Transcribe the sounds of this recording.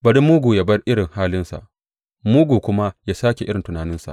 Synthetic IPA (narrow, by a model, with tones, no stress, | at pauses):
bɐ˨ɽɪ˦mːuː˦ɡuː˨ja˨bɐ˦rʔɪ˦ɽɪ˨ŋhaː˦lɪ˦nsa̰˨ʔ | muː˦ɡuː˨kʷʊ˦ma˦jaː˦saː˦kʲe˨ʔɪ˦ɽɪ˨ntʊ˨naː˨nɪ˦nsa̰˨ʔ